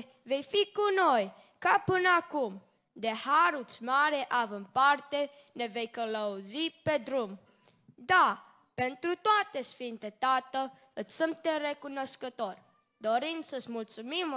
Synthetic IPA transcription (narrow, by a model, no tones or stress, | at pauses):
ve̞jfikunoj | kapɨnəakum | d̪ehaɾut͡smaɾeʔavəmpart̪e | ne̞vejkələuzipe̞d̪ɾum | d̪a | pent̪ɾut̪oat̪esfint̪et̪at̪ə | ɨt͡sʲsɨmt̪erekunoskət̪or | d̪oɾinsəsmult̪sumim